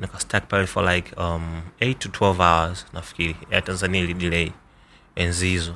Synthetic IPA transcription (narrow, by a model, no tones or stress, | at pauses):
nikastʰak̚palifɔlajkʰʌmejtːutʰwɛlvawəz̥nafi̥kiɾiatãnzaniailiɗilɛi | ɛnzizɔ